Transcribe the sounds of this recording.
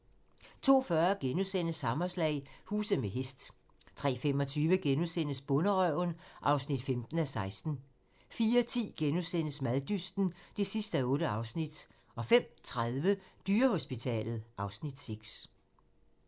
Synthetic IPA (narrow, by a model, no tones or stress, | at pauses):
t͡sʰo̝̰ːfɶɐɡ̥enusen̰əshɑ̈mɒslɛ̰ɪhuːsð̩ˠmeɦesd̥ | t͡sʰʁɛ̰ːfem̰ɒ̽t͡sʰyːʋəɡ̥enusen̰əsb̥ɔ̽nəʁœʊnʔɑ̈ʊsnid̥femd̥n̩æsɑ̈ɪsd̥n̩ | fiːɐt͡sʰḭːɡ̥enusen̰əsmæðˠd̥ysd̥n̩d̥e̝sisd̥æɔ̽ːɾəɑ̈ʊsnid̥ | ɒ̽fem̰t͡sʰʁaðˠʋəd̥yːɐho̝sb̥it͡sʰɛ̰ːlð̞̩ˠʔɑ̈ʊsnid̥seɡ̥s